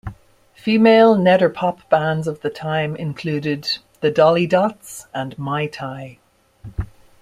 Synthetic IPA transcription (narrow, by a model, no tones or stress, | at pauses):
fiːmeɪlˠnɛɾə˞pʰɑpb̥ãndzʌvðətʰãɪ̃mɪ̃nkʰl̥ʉːɾɪd̪ | ðədɑlˠidɑtsə̃nmaɪtʰaɪ